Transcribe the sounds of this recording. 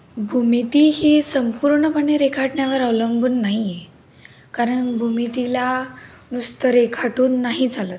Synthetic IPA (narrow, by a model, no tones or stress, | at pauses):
bʱumit̪iɦisəmpuɾɳəpəɳeɾekʰaʈɳjaʋəɾawləmbuːnːaɦie | kaɾəɳbʱumit̪ila | nust̪əɾekʰaʈuːnːaɦid͡zʱaləːt̪̚